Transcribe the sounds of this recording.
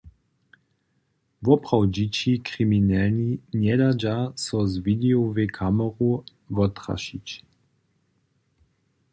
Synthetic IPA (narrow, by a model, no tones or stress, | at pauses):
vɔpʁ̥awd͡ʒit͡ʃikʁiminɛlninjɛd̪ad͡ʒasɔzvid̪ɛovekʰaməʁu | vɔt̪ʁa̰ʃit͡ʃ